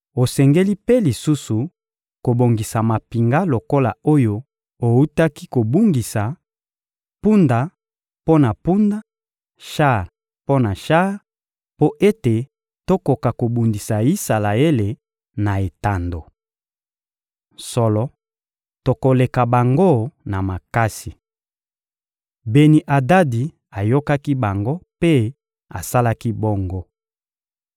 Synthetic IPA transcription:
o˨sɛ˨ŋɡe˦li˦pe˦li˨su˦su˨ | ko˨bo˨ŋɡi˨sa˨ma˨pi˨ŋɡa˦lo˨ko˦la˨o˦jo˦ | o˨u˦ta˦ki˦ko˨bu˦ŋɡi˨sa˨ | pu˦nda˨ | po˦na˨pu˦nda˦ | ʃa˦ʁ | po˦na˨ʃa˦ʁ | po˦ʔe˦te˨ | to˦ko˨ka˨ko˨bu˨ndi˨sa˨i˦sa˨la˨e˦le˨ | na˨e˨ta˨ndo˨ | sɔ˨lɔ˨ | to˨ko˨le˨ka˨ba˨ŋɡo˦na˨ma˨ka˦si˨ | be˨ni˨ʔa˨da˦di˨ | a˨jo˦ka˦ki˦ba˨ŋɡo˦pe˦ | a̰˨sa˦la˦ki˦bo˦ŋɡo˦

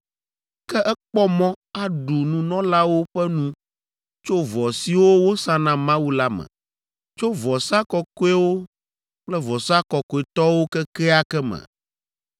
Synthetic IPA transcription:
kɛ˦ʔɛ˦k͡pɔ˦mɔ̃˦a˦ɖu˨nũ˨nɔ̃˦la˦wo˦ɸɛ˦nũ˦ | t͡ʃo˦vɔ˨si˨wo˦wo˦sã˦nã˨mã˦wu˦la˦mɛ̰̃˨ | t͡ʃo˦vɔ˨sa˦kɔ˨ko˦ɛ˦wo˦ | k͡plɛ˦vɔ˨sa˦kɔ˨ko˨˦e˨t̪ɔ˦wo˦kɛ˦kɛ˦a˦kɛ˦mɛ̰̃˨

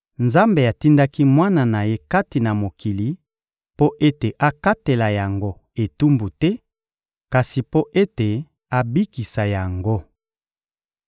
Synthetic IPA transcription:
nza˦mbe˨a˨ti˦nda˦ki˦mwa˦na˨na˨je˦ka˦ti˨na˨mo˨ki˨li˨˦ | po˦ʔe˦te˨ʔa˦ka˦te˨la˨ja˨ŋɡo˦ | e˨tu˦mbu˨tɛ˦ | ka˨si˨po˦ʔe˦te˨ | a˦bi˦ki˨sa˨ja˨ŋɡo˦

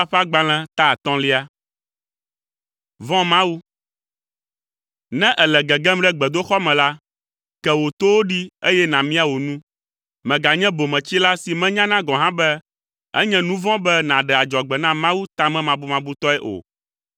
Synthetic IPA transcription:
a˦ɸa˦ɡ͡ba˦l̃ɛ̃˦t̪a˦˨t̪ɔ̃˦li˦a˦ | vɔ̃˦mã˦wu˦ | nɛ̃˦ʔɛ˨lɛ˨ɡɛ˨ɡɛ̃˦mɖɛ˦ɡ͡bɛ˨d̪o˦xɔ˦mɛ̃˨la˦ | kɛ˨wo˨t̪o˦wo˦ɖi˦e˦jɛ˦nã˨mĩ˦a˨wo˨nũ˦ | mɛ̃˨ɡa˨ɲɛ̃˦bo˨mɛ̃˨t͡ɕi˦la˦si˨mɛ̃˦ɲã˦nã˦ɡɔ̃˨ɦã˦bɛ˦ | ɛ̰˦ɲɛ̃˦nũ˦vɔ̃˦bɛ˦nã˨ɖɛ˨a˨d͡ʒɔ˨ɡ͡bɛ˨nã˦mã˦wu˦t̪a˦mɛ̃˦mã˨bu˦mã˨bu˦t̪ɔ˦ɛ˦ʔo̰˨

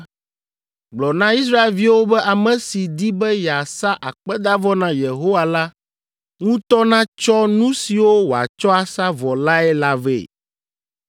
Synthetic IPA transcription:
ɡ͡blɔ˨nã˦i˦s̬ɾa˦e˨lvi˦wo˦bɛ˦ʔa˨mɛ̃˨si˨d̪i˦bɛ˦ja˨sa˦ʔa˨k͡pɛ˦d̪a˦vɔ˦nã˨je˨ɦo˦wa˦˨la˦ | ŋũ˦t̪ɔ˦nã˦t͡ʃɔ˦nũ˦si˨wo˦wo˨a̰˨t͡ʃɔ˦a˨sa˦vɔ˨la˦ɛ˦la˦vḛ˨

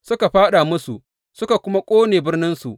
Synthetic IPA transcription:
sʊ˦ka˨ɸaː˦ɗa˨mʊ˦sṵ˨ʔ | sʊ˦ka˨kʷʊ˦ma˦kʷʼoː˦neː˨bɪ˦rnɪ˦nsṵ˨ʔ

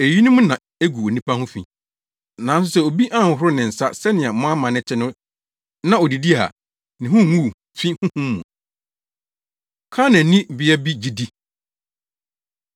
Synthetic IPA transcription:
e˨ji˦nʊ̃˦mʊ̃˦nã˨ | e˦ɡu˨o˨nĩ˦pa˦hʊ̃˦fḭ̃˨ | nã˨˦n˦s̬ʊ˦sɛ˦˨o˨bi˦ʔã˦˨ŋ˨hʊ˦ɾʊ˦nɪ̃˨n̩˨sa˦sɛ˦nɪ̃˨a˨mʊ̃˦a˦mã˨nɪ̃˦t͡ɕʰɪ˦nʊ̃˦ | nã˦ɔ˨di˨di˦a̰˨ | nɪ̃˨ɦʊ̃˦˨ŋu˦˨ | fĩ˦hʊ̃˦hũ˦mːṵ̃˨ | kʰã˦nã˨nĩ˦˨bɪ˦ɛ˦bi˦d͡ʑi˦di˦

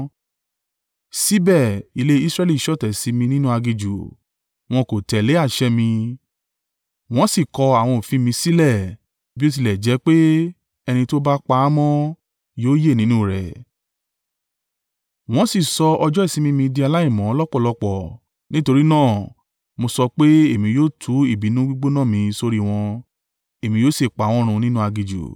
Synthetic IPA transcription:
si˦bɛ˦˨i˨le˦i˦sɾɛ˦li˦˨ʃɔ˦˨tɛ˨si˨˧˦mĩ˧nĩ˦nũ˦a˧ɡi˧d͡ʒu˨ | w̃ɔ̃˧ko˨tɛ˨le˨˦a˦˨ʃɛ˧˦mĩ˧ | w̃ɔ̃˦si˦˨kɔ˧a˨w̃ɔ̃˧o˨fĩ˧mĩ˧si˦lɛ˦˨ | bi˦o˦˧t̬i˧lɛ˨d͡ʒɛ˨˦k͡pe˦ | ɛ˧nĩ˧to˦ba˦k͡pa˧˦a˦mɔ̃˦ | joː˦je˦˨nĩ˦nũ˦˨ɾɛ̰˨ | w̃ɔ̃˦si˦˨sɔ˧ɔ˧d͡ʒɔ˦i˦˨sĩ˨˦mĩ˦mĩ˧di˧a˧la˦i˦˨mɔ̃˨˦ɔ˦lɔ˦k͡pɔ˦˨lɔ˧k͡pɔ˨ | nĩ˦to˧ɾi˦nãː˦˨ | mo˧sɔ˧k͡pe˦e˦˨mĩ˧joː˦tʰu˨˦i˦˨bi˨˦nũ˦ɡ͡bu˦ɡ͡bo˦nã˦˨mĩ˧so˧ɾi˦w̃ɔ̃˧ | e˨mĩ˧joː˦se˦˨k͡pa˨w̃ɔ̃˧˦ɾ̃ũ˧˨˧nĩ˦nũ˦a˧ɡi˧d͡ʒṵ˨

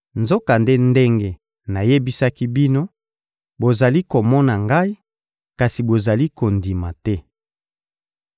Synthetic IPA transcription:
nzo˦ka˨nde˦nde˦ŋɡe˨ | na˨je˦bi˦sa˦ki˦bi˦no˦ | bo˨za˨li˦ko˨mɔ˦na˨ŋɡa˦i˦ | ka˨si˨bo˨za˨li˦ko˨ndi˨ma˨tɛ˦

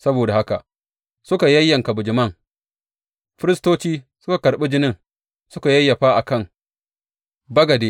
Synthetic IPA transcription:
sɐ˦boː˨da˨ha˦ka˨ʔ | sʊ˦ka˨jɐ˦jːɐ˨ŋka˨bʊ˨d͡ʒɪ˨mɐ˦˨ŋ | ɸɪ˦ɾɪ˦stoː˦t͡ʃiː˦ | sʊ̥˦ka˨kɐ˨ɾɓɪ˦d͡ʒɪ˦nɪ˦˨ŋ | sʊ˦ka˨jɐ˦jːɐ˨ɸaː˦ʔa˨kɐ˦˨ŋ | bɐ˦ɡɐ˨deː˦

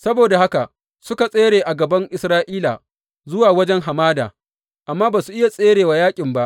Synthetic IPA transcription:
sɐ˦boː˨da˨ha˦ka˨ | sʊ˦ka˨sʼeː˦ɽeː˨ʔa˨ɡɐ˨bɐ˦ŋʔɪ˨sɾaː˦ʔiː˦la̰ː˨ | zʊ˦waː˨wɐ˦d͡ʒɛ˦ŋɦa˨maː˦da̰ː˨ | ʔa˨mːaː˦baː˨su˨ʔɪ˦ja˨sʼeː˦ɽeː˨wa˨jaː˦kʲʼɪ˨mba˦ʔ

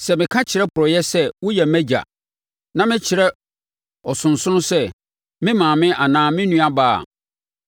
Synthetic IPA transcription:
sɛ˨mɪ̃˨kʰã˦t͡ɕʰɪ˨ɾɛ˦pʰʊ˨ɾɔ˨jɛ˦sɛ˦wʊ˦jɛ˨mæ̃˦d͡ʑa̰˨ | nã˦mɪ̃˦t͡ɕʰɪ˨ɾɛ˦ | ɔ˨sʊ̃˨n̩˨sʊ̃˦nʊ̃˦sɛ˦ | mɪ̃˦mãː˨mɪ̃˦ʔa˨nãː˨mɪ̃˦nũ˦a˦ba̰ː˦˨

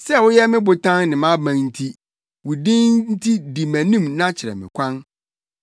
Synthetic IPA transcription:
sɛ˦˨wʊ˦jɛ˦mɪ̃˦bʊ˨tʰã˦nnɪ̃˨mã˦bã˨n̩˦tʰi˦ | wu˨dĩ˦nn˦n̩˦tʰi˦di˨mæ̃˨nĩ˦mnã˦t͡ɕʰɪ˨ɾɛ̰˨mɪ̰̃˨kʷʰã˦n

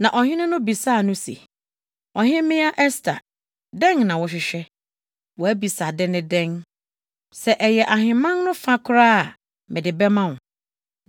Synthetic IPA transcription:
nã˨ʔɔ˨hɪ̃˦nɪ̃˦nʊ̃˦bi˨saː˦˨nʊ̃˦sḛ˨ | ɔ˨ɦɪ̃˦mɪ̃˦a˦ʔɛ˦stʰa˨ | dɛ̃˦ŋnã˨wɔ˨ɕ̬ᶣɪ˨ɕᶣɛ˦ | wɔ˨æ˦bi˨sa˨dɪ̃˦nɪ̃˦dɛ̃˦ŋ | sɛ˨ʔɛ˨jɛ˨ʔa˨ɦɪ̃˨mã˦nnʊ̃˦fa˦kʰʊ˦ɾaː˦a˨ | mɪ̃˨dɪ˨bɛ˦mã˦˨ʊ˨

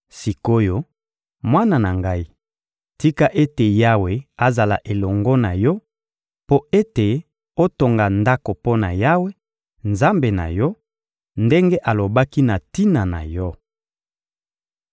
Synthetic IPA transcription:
si˨ko˦jo˦ | mwa˦na˨na˨ŋɡa˦i˦ | ti˦ka˦ʔe˦te˨ja˦we˨a˨za˨la̰˨ʔe˨lɔ˨ŋɡɔ˦na˨jɔ˦ | po˦e˦te˨ | o˦to˨ŋɡa˨nda˦ko˨po˦na̰˨ja˦we˦ | nza˦mbe˨na̰˨jɔ˦ | nde˦ŋɡe˦ʔa˨lo˨ba˦ki˦na˨ti˦na˨na̰˨jɔ˦

